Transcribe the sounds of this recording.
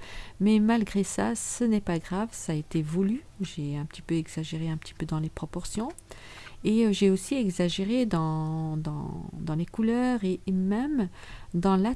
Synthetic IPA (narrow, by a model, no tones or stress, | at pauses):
mɛmalɡʁesasənɛpaɡʁavsaːet̪evuly | ʒeɛ̃pə̥t̪i̥pøɛɡzaʒeʁeɛ̃pə̥t̪ʰi̥pød̪ɑ̃lepχɔpɔʁsjɔ̃ | eøʒeosiɛɡzaʒeʁed̪ɑ̃d̪ɑ̃d̪ɑ̃lekulœʁemɛmd̪ɑ̃la